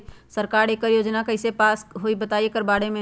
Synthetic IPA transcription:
səɾkaɾekːəɾjoːd͡ʒnakəɪsepaːsɦoibət̪ajekəɾbaɽemẽ

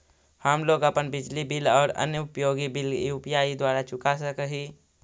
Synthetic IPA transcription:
həmloːɡəpənbɪd͡ʒlibɪlɔːɾə̰njəʊpjoːɡibɪliʊpjaːid̪waːɾat͡ʃʊkasəkəɦiː

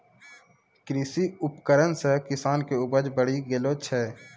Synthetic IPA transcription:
kɾiːsiʊpkəɾənsekɪsaːnkeʊbəd͡ʒbəɽ̤iɡelot͡ʃʰɛː

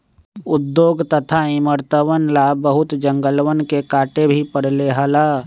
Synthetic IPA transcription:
ʊd̪ːjoːɡt̪ət̪ʰaiməɾt̪əʋənlabəɦʊt̪d͡ʒə̃ŋɡəlʋənkekaːʈebʱipəɽ̤leɦəla

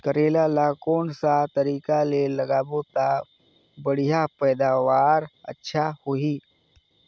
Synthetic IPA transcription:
kəɾeːlalakoːnsat̪əɾiːkaleləɡaːbot̪a | bəɽ̤ijapɛːd̪aːʋaːɾə̰tːʃʰahoɦi

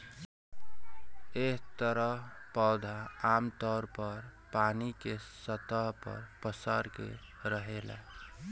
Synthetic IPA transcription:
eɦt̪əɾəɦpɔd̪ʱaamt̪ɔɾpəɾpanikesət̪əɦpə̰ɾpəsəɾkḛ | ɾəɦela̰

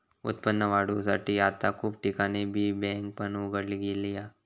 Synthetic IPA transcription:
ʊ̰t̪̚pənːəʋaːɽusaʈijaːt̪akʰuːb̚ʈɪkanebʱibɛ̃ːŋk̚pənuɡəɽliɡilijaː

